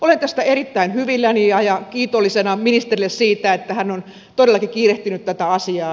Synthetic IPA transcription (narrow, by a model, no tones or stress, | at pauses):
olent̪æst̪æerit̪ːæinhyʋilːæniɑjɑkiːt̪olːisenɑminist̪erilːessiːt̪æet̪ːæhænːon | t̪oɾelːˑɑkikiːreht̪ynyt̪t̪æt̪æɑsiɑː